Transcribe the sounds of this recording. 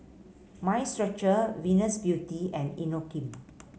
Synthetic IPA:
mãjstɹak̚t͡ʃəwĩnəsbjutiɛ̃ninokĩm

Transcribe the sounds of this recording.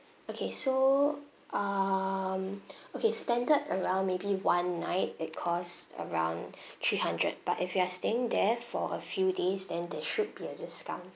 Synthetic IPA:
okʰeso | ʔʌ | mokʰestɛ̃ndədəɹãʊ̃nmebiwãnːaɪt̚ɪt̚kʰɔsə̰ɹãʊ̃n | tʰɹihãndɹə̰d̚b̥a̰tɪfjuasteɪ̃ŋdɛfɔ̰ʔə̰fjudesdɛ̃ndɛʃʊd̚biədɪskã̰n

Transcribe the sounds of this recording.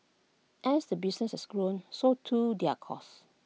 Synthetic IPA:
ʔɛ̃nsdəbisnɛsɛsɡɹõnsotʰudɛakʰɔ̰s

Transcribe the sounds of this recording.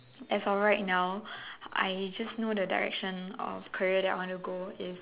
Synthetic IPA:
ɛtsɔlɹaɪt̚naʊʔa̰ɪd͡ʒasnodədaɹɛ̰kʃə̃nɔ̰fkʰəɹiədɛta̰wɔ̃ntuɡoɪs

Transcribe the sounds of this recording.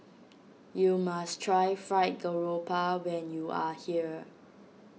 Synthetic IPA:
jumastʰɹajfɹaɪt̚ɡəɹopawɛ̃njuʔahiə

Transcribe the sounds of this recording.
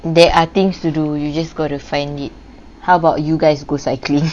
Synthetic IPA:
dɛʔat̪ĩŋstudujud͡ʒasɡɔtufãjndit̚ | hawəbaʊtjuɡaɪsɡosaɪklĩŋ

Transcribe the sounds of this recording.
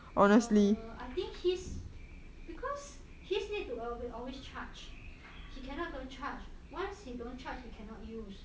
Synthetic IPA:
ʔɔnəstliajt̪ĩŋkhis | b̥ikʰɔs | hisnid̚tuwɛwiʔɔlwest͡ʃʰat͡ʃ | hikʰɛnɔt̚dõnt͡ʃat͡ʃwãnshidõnt͡ʃat͡ʃhikʰɛ̃nɔt̚jus

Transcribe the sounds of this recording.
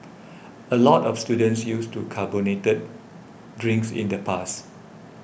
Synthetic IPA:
əlɔtɔfstudə̃ntsjustukʰabonetət̚ | dɹĩŋksḭ̃ndəpʰas

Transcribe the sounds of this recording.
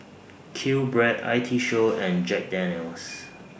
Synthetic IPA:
kʰilbɹɛda̰ɪtʰiʃoɛ̃nd͡ʒɛk̚dɛ̃nəls

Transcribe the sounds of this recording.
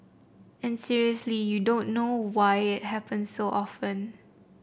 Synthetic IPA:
ɛ̃nsiɹiəslijudõnːowajɪt̚hɛpə̃nsːoʔɔfə̃n

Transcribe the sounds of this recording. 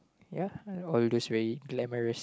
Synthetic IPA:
jaɔld̪osʋɛɹiɡlɛməɹəs

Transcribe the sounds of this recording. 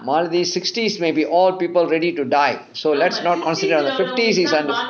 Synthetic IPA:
maːld̪isɪksʈiːsmeːbiːʔɔːlpiːpəlɾɛɖiʈuɖaɪ | soːlɛʈsnɔːʈ̚kɔ̃nsɪɖəɾɔ̃nd̪əfɪfʈiːsizɛ̃nɖ

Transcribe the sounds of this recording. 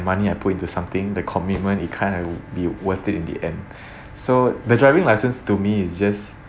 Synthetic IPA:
maniaɪpʰut̚ĩntusãmt̪ɪ̃ŋdəkʰɔmit̚mə̃nit̚kʰãnəbiwət̪itĩndḭʔɛ̃n | sodədɹajvɪ̃ŋlajsə̃nstumiɪsd͡ʒas

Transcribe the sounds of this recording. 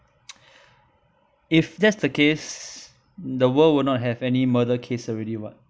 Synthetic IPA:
ifdɛtsdəkes | dəwəlwʊdnɔt̚ɦɛvɛnimədəkʰesɔɹɛɾiwɔ̰t̚

